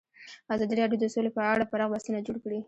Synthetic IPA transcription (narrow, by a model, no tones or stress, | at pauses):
azɑd̪iɾɑɽjod̪əsolepəaɽafaɾɑɣbasunad͡ʒoɽkɽi